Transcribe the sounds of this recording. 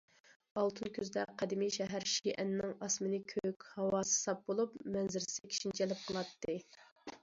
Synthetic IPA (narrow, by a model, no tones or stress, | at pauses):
ɑlˠt̪ʰɨnkʲʰyzd̪ɛqʰɛd̪ɪmijʃɛɦæɾʃiʔɛnːɪŋɑsmɨnɪkʲʰøkʲhɑwɑːsɨ̥sɑp̚bolˠupmɛnzɪɾsɪkʲʰi̥ʃint͡ʃʰɛlɪp̚qʰəlˠɑt̪ʰːɨ